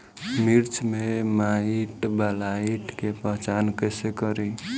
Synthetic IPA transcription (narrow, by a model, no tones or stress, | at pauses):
miɾt͡ʃmemaiʈbəlaiʈkepəɦt͡ʃankəsekəɾi